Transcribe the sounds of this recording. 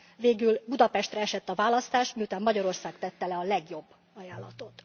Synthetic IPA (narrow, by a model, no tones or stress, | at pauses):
veːɡylbud̪ɒpɛʃt̪rɛɛʃɛt̪ːɒvaːlɒst̪aːʃt̪miːut̪aːmːɒɟɒɾo̞rsaːkt̪ɛt̪ːɛlɛɒlɛɡjo̞bː | ɒjaːlːɒ̰t̪o̞t̪